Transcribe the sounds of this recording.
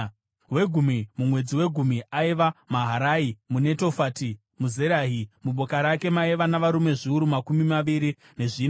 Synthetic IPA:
we̞ɡʱumimumwe̞d͡ziwe̞ɡʱumiʔaiʋamaɦaɾaimune̞to̞faːti | muze̞ɾaːɦimuɓo̞kaɾake̞maiʋanaʋaɾume̞ʐiuɾumakumimaʋiɾi | ne̞ʐiːn

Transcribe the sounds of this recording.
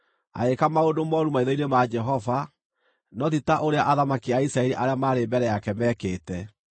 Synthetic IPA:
a̰ekamaodomɔɾumaiðɔinemad͡ʒɛɦɔva | nɔðitaʔoɾeaʔaðamakiaisɾaɛɾiʔaɾeamaːɾembɛɾɛjakɛmɛːkeːtɛ

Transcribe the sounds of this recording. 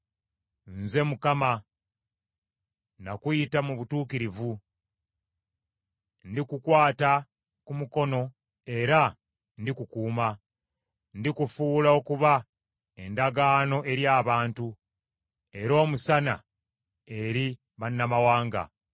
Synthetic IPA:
nze̞mukama | nakuitamuβutuːkiɾivu | ndikukwaːta | kumuko̞no̞ | e̞ɾa | ndikukuːma | ndikufuːlao̞kuβa | e̞ndaɡaːno̞ʔe̞ɾjaːβaːntu | e̞ɾo̞ːmusana̰ | e̞ɾi | βanːamawaːŋɡa̰

